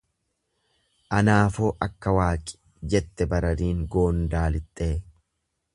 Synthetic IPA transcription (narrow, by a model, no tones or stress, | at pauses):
ʔɐnaːfoːʔɐkːɐwaːkʼɪ̥ | d͡ʒɛt̪ːɛbɐɾɐd̪iːŋɡoːnd̪aːlɪt̪ʼːeː